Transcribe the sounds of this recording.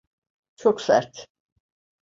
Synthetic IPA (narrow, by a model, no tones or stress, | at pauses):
t͡ʃʰoksæ̰ɾt̪